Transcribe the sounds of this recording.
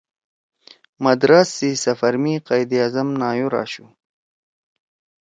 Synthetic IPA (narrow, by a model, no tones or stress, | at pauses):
mɐd̪ɾasːisɐfɐɾmiqajd̪iazɐmnaːjuɾɑ̰ːɕu